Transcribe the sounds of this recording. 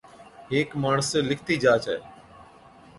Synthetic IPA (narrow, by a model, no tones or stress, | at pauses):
ɦeːkmaːɳəseːlɪkʰt̪iːd͡ʒaːt͡ʃɛ̰ː